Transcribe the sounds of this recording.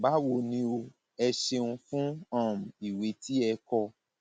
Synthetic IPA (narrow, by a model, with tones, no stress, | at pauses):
ba˨˦wo˧˨nĩ˧˦o˧ | ɛ˧ʃe˧nũ˧fũ˦ã˦˨m̩˨i˨we˨˦ti˦ɛ˧kɔ˧